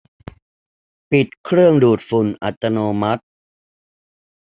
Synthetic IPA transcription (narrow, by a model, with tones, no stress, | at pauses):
pi˨˩t̪̚kʰɾɯ˥˩əŋduː˨˩t̪̚fu˨˩nʔa˨˩t̪ːa˧noː˧ma˦˥t̪̚